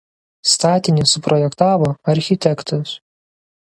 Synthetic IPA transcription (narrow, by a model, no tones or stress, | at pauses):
st̪ɑːt̪ʲɪnʲɪsʊpɾɔjɛkt̪ɑːʋoːɐɾʲxʲɪt̪ʲɛkt̪ɐs